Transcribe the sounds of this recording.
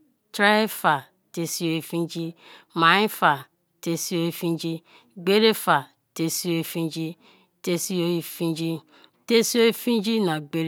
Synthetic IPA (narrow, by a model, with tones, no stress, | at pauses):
tɾa˦e˦fa˨ | te˨si˦o˦e˨fi˦nd͡ʒi˦ | ma˨ĩ˦fa˨ | te˦si˦o˦e˦fĩ˦n˦d͡ʒi˦ | ɡ͡be˦ɾe˦fa˨ | te˦si˦o˦e˨fi˦nd͡ʒi˦ | te˦si˦o˦i˦fi˦d͡ʒi˦ | te˦si˦o˦e˦fĩ˦n˦d͡ʒi˦na˨ɡ͡be˦ɾ